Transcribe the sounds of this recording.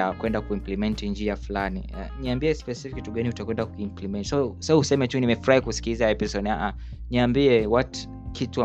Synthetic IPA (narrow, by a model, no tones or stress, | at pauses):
akwɛndakuimplɛmɛntind͡ʒiafulanḭa̰niambiɛspɛsfikituɡaniutakwɛndakukimplimɛntsɔsahusɛmɛtunimɛfuɾahikusi̥kizaɛpisɔɗaʔa | niambiɛwɔt | kʰitua